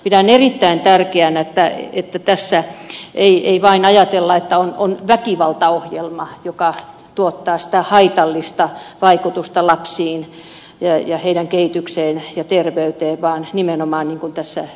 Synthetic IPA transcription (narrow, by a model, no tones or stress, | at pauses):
pidænerit̪ːæint̪ærkeænæet̪ːæet̪ːæt̪æsːæʔeiʔeiʋɑinɑjɑt̪elːɑet̪ːæononʋækiʋɑlt̪ɑohjelmɑjokɑ | t̪uot̪ːɑːsĭ̥t̪æhɑit̪ɑlːist̪ɑʋɑikut̪ust̪ɑlɑpsiːn | jɑjɑheidæŋkeit̪ykseːnjɑt̪erʋeyt̪eːʋɑːnnimenomɑːnniːŋkunt̪æsːæ